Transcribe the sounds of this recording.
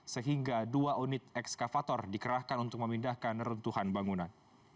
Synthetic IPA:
səɦiŋɡaduaunɪt̪̚ɛkskafat̪ɔrdikəɾahkanunt̪ʊk̚məmindahkanəɾunt̪uhanbaŋunan

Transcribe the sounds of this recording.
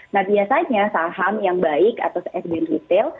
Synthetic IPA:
nahbiasaɲasaɦamjaŋbaɪka̰t̪asɛsdɛnhit̪ɪl

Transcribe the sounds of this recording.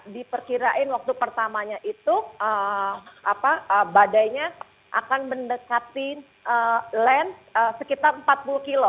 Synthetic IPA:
dipərkiɾaʔɪnwak̚t̪upərt̪amaɲaʔit̪uə | apaəbadajɲa | ʔa̰kanməndəkat̪i | ʔəlɛnt̪̚əsəkit̪arəm̩pat̪̚pulukilo

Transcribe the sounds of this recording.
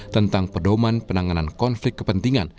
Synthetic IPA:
t̪ənt̪aŋpədomanpənaŋanankɔnflɪk̚kːəpənt̪iŋan

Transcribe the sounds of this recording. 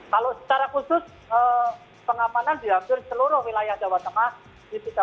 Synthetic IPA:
kalosə̥t͡ʃaɾakusʊs | əː | pəŋamanandiapɪrt͡ʃəluɾʊhwilajahdawat̪əŋah | disik̪a

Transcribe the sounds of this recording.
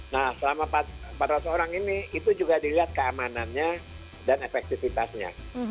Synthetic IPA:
nahsəlamapapat̪ɾasaoɾaŋiniit̪ud͡ʒuɡadiliɦat̪̚kəamananɲa | danefɛk̚t̪ifit̪asɲa̰

